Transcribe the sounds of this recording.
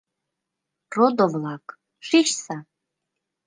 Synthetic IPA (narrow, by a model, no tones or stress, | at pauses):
rod̪ovlˠak | ʂiʃsa